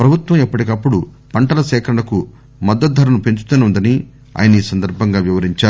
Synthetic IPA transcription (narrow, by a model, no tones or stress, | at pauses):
pɾɐbʱut̪ʋɐmipːɐʈikɐpːuɽu | pɐɳʈɐlɐsɛːkʰɐɾɐɳɐku | mɐd̪ːɐt̪̚d̪ʱɐɾɐnupeɲt͡ʃu̥t̪uneund̪ɐni | a̰ːjɐnɐiːsɐnd̪ɐɾbʱɐŋɡaːʋiʋɐɾiɲt͡ʃaːɾu